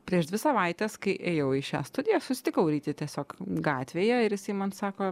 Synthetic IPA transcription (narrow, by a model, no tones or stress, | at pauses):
pʲɾʲiɛʃd̪ʲʋʲɪsɐʋɐɪt̪ʲɛskɐɪʔeːjɛʊɪʃʲæ̰ːst̪ʊd̪ʲɪjosʊsʲɪt̪ʲɪkɐʊɾʲiːt̪ʲɪt̪ʲiɛsʲoːkɡɑːt̪ʲʋʲeːjɛɪɾjɪsɐɪmɐnsɑːkoː